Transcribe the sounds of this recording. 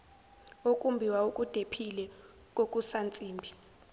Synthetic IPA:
okʼumbʱiwaukʼud̥ʱepʰilɛ | k̬ʼokʼusant͡sʼiːmbʱi

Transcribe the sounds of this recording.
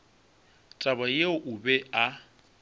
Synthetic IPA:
tʼaβajeʊʔʊbɛa

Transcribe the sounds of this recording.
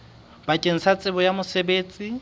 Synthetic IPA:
bakʼeŋ̩sat͡sʼɪbɔjamʊsebeːt͡sʼi

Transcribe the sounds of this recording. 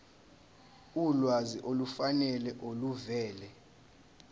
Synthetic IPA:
ulwaziʔolufanɛlɛʔoluvɛːlɛ

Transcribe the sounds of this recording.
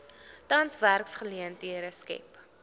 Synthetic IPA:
tɐnsværksχəliəntiəɾəskɛ̰p

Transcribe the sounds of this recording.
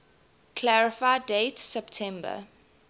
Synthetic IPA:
kʰlæɹɪfaɪdetsɛptʰɛ̃mbə̰

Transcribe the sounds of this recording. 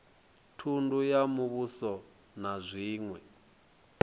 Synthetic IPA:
tʰundujamuβusɔ | nazʷiːŋwɛ

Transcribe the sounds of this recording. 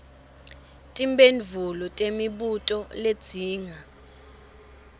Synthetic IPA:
tʼimbenvulɔtʼemiɓutʼɔled̥d͡z̥ʱiːŋa

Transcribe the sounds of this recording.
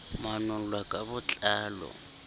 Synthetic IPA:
manʊlwakʼabʊt͡ɬʼaːlɔ̰

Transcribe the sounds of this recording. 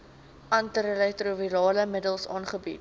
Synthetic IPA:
ɐntəɾelɛtruviɾɑːləmədəlˠsɑːnχəbit̚

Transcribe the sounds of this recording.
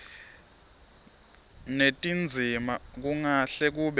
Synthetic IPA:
netʼind͡zʱimak̬uŋaɬɛk̬uɓ

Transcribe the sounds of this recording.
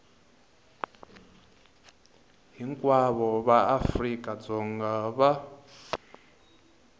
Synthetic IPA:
ɦiŋkʼwaβɔβaafrikʼad͡zɔŋɡaβa

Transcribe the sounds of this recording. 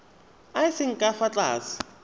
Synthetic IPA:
aɪsɪŋ̩kʼafat͡ɬʼa̰ːsɪ̥

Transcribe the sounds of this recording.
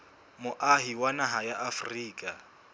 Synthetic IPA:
mʊʔaɦiwanaɦajaʔafriːkʼa

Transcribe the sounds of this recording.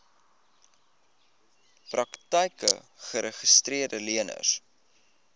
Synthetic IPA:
prɐktəjkə̰ | χəɾəχəstriərdəliənə̰s

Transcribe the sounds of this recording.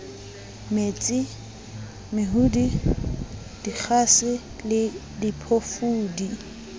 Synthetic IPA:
met͡sʼɪ | mɪɦudi | d̥ik͡xʰasɪ | lɪ | dipʰofuːdi

